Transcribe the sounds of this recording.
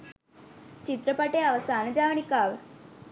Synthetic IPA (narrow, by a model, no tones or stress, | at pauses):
t͡ʃit̪ɾɐpɐʈeːaʋɐsaːnɐd͡ʒaːʋɐɳikaːʋ